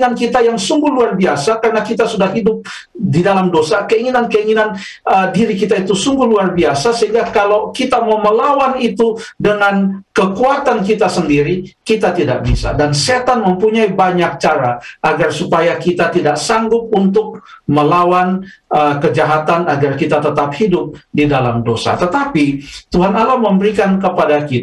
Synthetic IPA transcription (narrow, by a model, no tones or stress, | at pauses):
nankit̪ajaŋsuŋɡʊhluarbiasakarənakit̪asudahɦidʊp̚ | didalamdosakəiŋinankəiŋinan | ədiɾikit̪ait̪usuŋɡʊhluarbiasasəɦiŋɡakalawkit̪amawməlawanit̪udəŋankəkuat̪ankit̪asəndiɾikit̪at̪idak̚bisa̰danset̪anməmpuɲaibaɲak̚t͡ʃaɾaʔːɡarsupajakit̪at̪idaksaŋɡʊp̚unt̪ʊk̚məlawanəkəd͡ʒaɦat̪anaɡarkit̪at̪ət̪ap̚hidʊp̚didalamdosa̰t̪ət̪apit̪uɦanalamːəmbəɾikankəpadakit̪